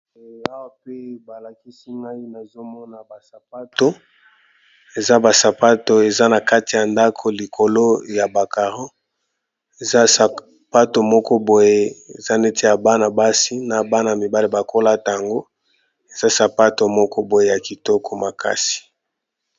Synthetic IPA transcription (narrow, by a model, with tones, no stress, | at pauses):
a˦wa˦pe˦ba˨la˨ki˦si˦ŋa˦i˦na˨zo˦mɔ˦na˨ba˨sa˨p̚a˦to˦ | e˨za˦ba˨sa˨pa˦to˨e˨za˦na˨ka˦ti˨ja˨nda˦kʰo˨li˨kʰo˨lo˦ja˨ba˨ka˨ʁo˦ | e˨za˦sa˨ | pa˦to˨mɔ˦kɔ˦bo˨je˦e˨za˦ne˦tʰi˦a˨ba˦na˨ba˦si˦na˨ba˦na˨mi˨ba˦li˨ba˨ko˦la˦ta˨ja˨ŋɡo˦ | e˨za˦sa˨pa˦to˨mɔ˦kɔ˦bo˨je˦ja˨ki˨tɔ˦kʰɔ˨ma˨ka̰˦si̥˨